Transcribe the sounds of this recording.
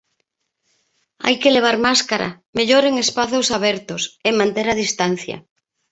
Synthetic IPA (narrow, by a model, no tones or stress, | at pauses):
a̰jkeleβ̞aɾmaskaɾa̰ | meʎoɾeŋespaθosaβɛɾt̪ʊsemãnt̪eɾað̞ist̪an̟θjɐ̰